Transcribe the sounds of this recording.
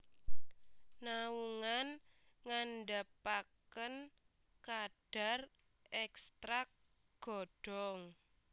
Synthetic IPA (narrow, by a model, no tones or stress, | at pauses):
nauŋanŋanɖapakən | kaɖ̥a̤r | ɛkst̪ɾak̚ | ɡ̥ɔɖ̥ɔŋ